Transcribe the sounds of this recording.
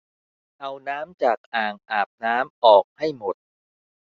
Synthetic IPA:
ʔa˧wnaː˦˥mt͡ɕaː˨˩k̚ʔaː˨˩ŋʔaː˨˩p̚naː˦˥mʔɔː˨˩k̚ha˥˩jmo˨˩t̪̚

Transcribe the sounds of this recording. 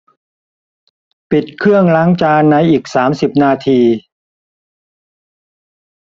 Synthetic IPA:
pi˨˩t̪̚kʰɾɯ˥˩əŋlaː˦˥ŋt͡ɕaː˧nːa˧jʔiː˨˩k̚saː˩˦msi˨˩p̚naː˧t̪ʰiː˧

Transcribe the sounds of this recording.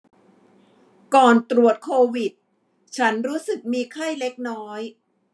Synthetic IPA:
kɔː˨˩nt̪ɾu˨˩ət̪̚kʰoː˧wi˨˩t̪̚ | t͡ɕʰa˦˥nɾuː˦˥sɯ˨˩k̚miː˧kʰa˥˩jle˦˥k̚nɔː˦˥j

